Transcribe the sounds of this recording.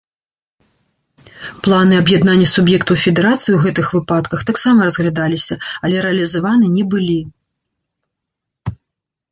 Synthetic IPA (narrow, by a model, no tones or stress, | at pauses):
plˠanɨɐbjɛd̪nanʲːɐsubjɛkt̪ufʲɛd̪ɛɾat̪sɨjiwɣɛt̪ɨxvɨpat̪kɐxt̪aksamɐɾɐzɣlʲad̪alʲisʲɐɐlʲɛɾɛɐlʲizavanɨnʲɛbɨlʲi